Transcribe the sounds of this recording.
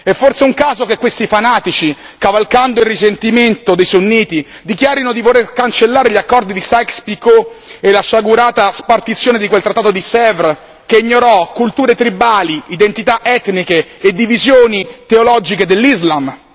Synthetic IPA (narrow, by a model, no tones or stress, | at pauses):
ɛfːorseuŋkaːzokekːwest̪ifanaːt̪it͡ʃi | kavalkand̪oilrːisent̪iment̪od̪ejsonːiːt̪i | d̪ikjaːɾinod̪ivoɾerkant͡ʃelːaːɾeʎakːɔrd̪id̪isakspikoelaʃaɡuɾaːt̪aspart̪it̪sːjoːned̪ikwelt̪ɾat̪ːat̪od̪isɛvɾ | keiɲːoɾɔkːult̪uːɾet̪ɾibaːliid̪ent̪it̪aʔɛt̪nikeed̪ːivizjoːnit̪eolɔd͡ʒiked̪elːizlam